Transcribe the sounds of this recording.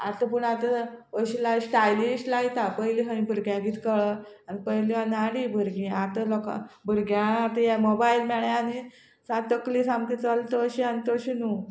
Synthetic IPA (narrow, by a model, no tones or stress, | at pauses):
a̰t̪ap̬əɳat̪aəɕilaisʈajlisʈlait̪apəjliɦə̃ĩbʱəɾɡjãɡiːt̪kəɭəanipəjliʋanaɽibʱəɾɡĩat̪alɔka̰bʱəɾɡjãat̪ajamɔbailmɛɭjaani | sãt̪əklisamkit͡səlt̪əəɕiant̪əɕinu